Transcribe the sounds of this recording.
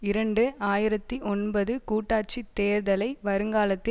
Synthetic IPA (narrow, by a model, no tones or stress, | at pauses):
ɪɾɐɳɖɯaːjɪɾɐt̪ːiʔɔnbɐðɯkuːʈːaːʈ̚t͡ʃit̪ːeːɾðɐlɐɪʋɐɾɯŋɡaːlɐt̪ːɪ